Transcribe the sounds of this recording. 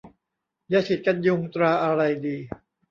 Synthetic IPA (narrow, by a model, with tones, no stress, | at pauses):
jaː˧˥sʰi˨˩t̪̚ka˧nju˧ŋt̪ɾaː˧ʔa˧ɾa˧jdiː˧